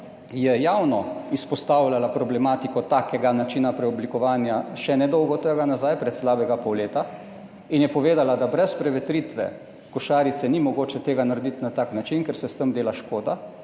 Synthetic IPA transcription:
jɛjawnɔispɔst̪awlʲalapɾɔblɛmaːt̪ikɔt̪aːkɛɡanat͡ʃiːnapɾɛɔblikɔʋaːnjaʃɛnɛd̪ɔwɡɔt̪əɡanazajpɾɛt̪slaːbɛɡapɔwleːt̪a | injɛpɔʋeːd̪alad̪abɾɛspɾɛʋɛt̪ɾiːt̪ʋɛ̰ | kɔʃaːɾit̪sɛnimɔɡoːt͡ʃɛt̪eːɡanaɾɛd̪it̪nat̪aːknat͡ʃinkɛɾsɛst̪əmd̪eːlaʃkoːd̪a

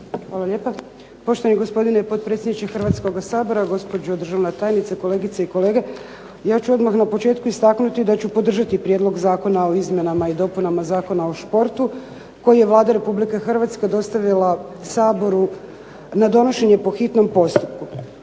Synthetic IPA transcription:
xʋaːlale̞ːpa | po̞ʃt̪oaniɡo̞spo̞d̪inepo̞t̪̚pɾet̪sʲjed̪nit͡ʃexrʋat̪sko̞ɡasaːbo̞ɾaɡo̞spo̞d͡ʑed̪r̩ʒaʋnat̪aːjenit̪sako̞leɡit̪saiko̞le̞ːɡe | jaːt͡ʃuo̞d̪maxnapo̞t͡ʃe̞ːt̪kuist̪aknut̪id̪at͡ɕupod̪r̩ʒat̪ipɾjed̪lo̞ɡzaːko̞nao̞izmje̞namaid̪o̞punamazaːko̞naoʃpo̞ɾt̪u | ko̞jije̞ʋlˠaːd̪aɾe̞publikexr̩ʋat̪skad̪o̞st̪aʋilasaːbo̞ɾu | nad̪o̞no̞ʃe̞ɲepo̞xit̪no̞mpo̞st̪up̚ku

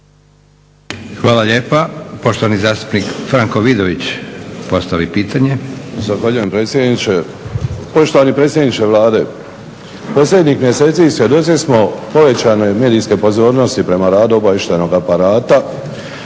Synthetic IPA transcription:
xʋaːlaʎeːpapoʃt̪oʋanizaːst̪u̥pnikfɾaŋkoʋid̪oʋit͡ɕpo̞st̪aʋipiːt̪aɲezaxʋaʎuje̞mpɾe̞t̪sʲjed̪nit͡ʃe | po̞ʃt̪o̞ʋanipɾe̞ːt̪sʲje̞d̪nit͡ʃe̞ʋlaːd̪e̞ | po̞slʎʲe̞d̪ɲixmje̞seːt̪sisʋjed̪o̞t̪sismo̞po̞ʋe̞t͡ɕaneme̞ːd̪iːske̞po̞zo̞ːɾno̞st̪ipɾe̞maɾaːd̪uo̞baʋeʃt̪eno̞ɡapaɾaːt̪a

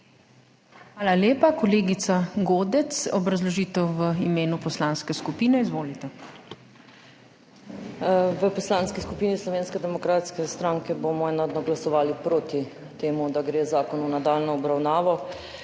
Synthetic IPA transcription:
xʋaːlaleːpakɔleːɡit̪saɡoːd̪ɛsɔbɾazlɔʒiːt̪ɛwʋəimeːnupɔslaːnskɛskupiːnɛizʋoːlit̪ɛ | ʋəpɔslaːnskiskupiːnislɔʋeːnskɛd̪ɛmɔkɾaːt̪skɛst̪ɾaːŋkɛbomɔɛːnad̪nɔɡlasɔʋaːlipɾoːt̪i | t̪eːmud̪aɡɾeːzaːkɔnunad̪aːlnɔːbɾawnaːʋɔ

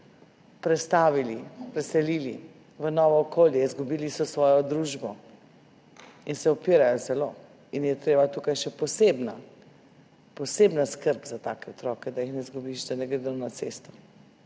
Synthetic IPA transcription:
pɾɛst̪aːʋilipɾɛsɛlili | ʋənɔːʋɔːkoːljɛizɡubiːlisɔsʋɔːjɔd̪ɾuːʒbɔ | insɛɔpiːɾajɔzɛlo | injɛt̪ɾeːbat̪ukajʃɛpɔsebna | pɔseːbnaskəɾpzat̪aːkɛɔt̪ɾɔːkɛd̪ajixnɛzɡubiʃd̪anɛɡɾed̪ənat̪seːst̪ɔ̥

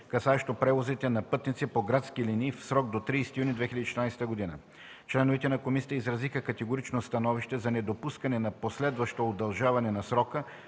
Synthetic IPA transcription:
kɐsaɛʃt̪opɾɛvozit̪ɛnɐpɤt̪nit̪sipoɡɾat̪skiliniːfsɾɔɡ̚d̪ot̪ɾiːst̪ijunid̪vɛxilʲəd̪it͡ʃɛt̪ɾnajst̪əɡod̪inə̰ | t͡ʃlɛnovɛt̪ɛnɐkomisʲɛ̥t̪əizɾɐzixəkɐt̪ɛɡoɾit͡ʃnost̪ɐnɔviʃt̪ɛzɐnɛd̪opuskɐnɛnɐposlɛd̪vɐʃt̪ood̪ɐlˠʒavɐnɛnɐsɾɔkə

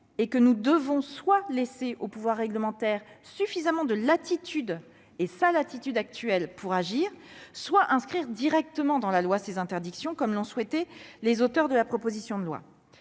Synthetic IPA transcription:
ekənud̪əvɔ̃swaleseʔopuvwaʁːɛɡləmɑ̃t̪ɛʁsyfizamɑ̃d̪əlat̪it̪ʰyd̪ | esalat̪it̪yd̪ak̚t̪ɥɛlpʰuʁaʒiːʁswaʔɛ̃skχiʁd̪iʁɛk̚t̪əmɑ̃d̪ɑ̃lalwasezɛ̃t̪ɛʁd̪iksjɔ̃kɔmlɔ̃swɛt̪ɛlezot̪œʁd̪əlapχɔpozisjɔ̃d̪əlwa̰

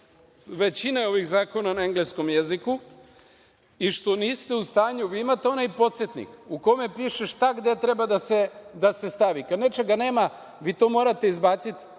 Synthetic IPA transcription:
ʋe̞t͡ɕineo̞ʋiɣzaːko̞nanaeŋɡlesko̞mjeziku | iʃt̪o̞niːst̪e̞ust̪aːɲuʋiimat̪eo̞najpo̞t̪set̪nḭkuko̞mepiːʃeʃt̪aɡd̪e̞t̪ɾe̞bad̪ased̪ase̞st̪aʋikad̪ne̞t͡ʃeɡane̞ːma | ʋiːt̪o̞mo̞ːɾat̪e̞izbaːt̪sit̪

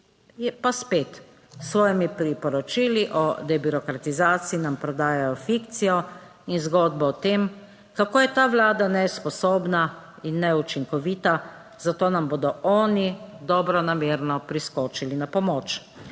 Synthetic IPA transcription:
jɛpaspeːt̪ | sʋɔːjɛmipɾipɔɾɔt͡ʃiliʔɔ̰d̪ɛbyɾɔkɾat̪izaːt̪siinampɾɔd̪aːjajɔfikt̪sijɔ | inzɡɔːd̪̚bɔɔt̪em | kakoːjɛt̪aːʋlaːd̪anɛspɔsoːbna | inːɛut͡ʃiŋkɔʋit̪a | z̥at̪oːnamboːd̪ɔɔːnid̪ɔːbɾɔnameːɾnɔpɾiskɔːt͡ʃilinapɔmoːt͡ʃ

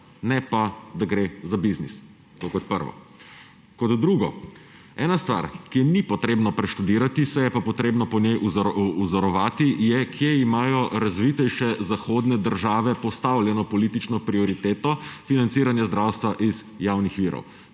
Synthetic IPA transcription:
nɛpad̪aɡɾezabiznḭs | t̪okɔt̪̚pəɾʋɔ̰ | kɔd̪d̪ɾuːɡɔ | ɛːnast̪ʋa̰ɾkenipɔt̪ɾeːbnɔpɾɛʃt̪ud̪iːɾat̪isɛjɛpapɔt̪ɾeːbnɔpɔnjɛjʔuuzɔɾɔʋaːt̪ijɛkʰjeimaːjɔɾazʋit̪ɛjʃɛzaxoːd̪nɛd̪əɾʒaːʋɛpɔst̪awljɛnɔpɔlit̪it͡ʃnɔpɾiɔɾit̪eːt̪ɔfinant̪siːɾanjazd̪ɾawst̪ʋaʔiz | jawnixʋiːɾɔ̰w

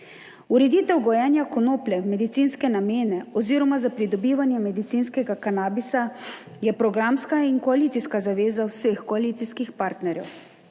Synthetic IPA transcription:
uɾɛd̪iːt̪ɛwɡɔjɛnjakɔnoːplɛmɛd̪it̪siːnskɛnameːnɛɔziːɾɔmazapɾid̪ɔbiːʋanjɛmɛd̪it̪siːnskɛɡakanaːbisa | jɛpɾɔɡɾamskainkɔalit̪iskazaʋeːzawsexkɔaliːt̪siskixpaːɾt̪nɛɾjɛ̰w

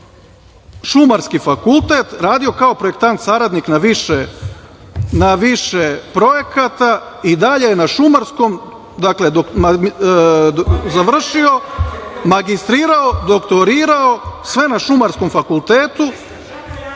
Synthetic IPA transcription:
ʃumaɾskifakulˠt̪e̞t̪ɾaːd̪io̞kao̞pɾojek̚t̪ant̪saɾad̪niknaʋiʃe | naʋiʃepɾo̞je̞kat̪a | id̪aʎe̞jenaʃumaɾsko̞m | d̪akle̞d̪oa | zaʋr̩ʃio̞maɡist̪ɾiːɾao̞d̪o̞kt̪o̞ɾiːɾao̞sʋe̞naʃumaɾsko̞mfakulˠt̪eːt̪u

